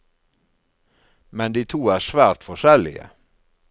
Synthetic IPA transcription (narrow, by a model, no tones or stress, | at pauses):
mɛnd̪iːt̪ʰuːæːʃʋæːɾt̪fɔʃɛlɪ̰ə̰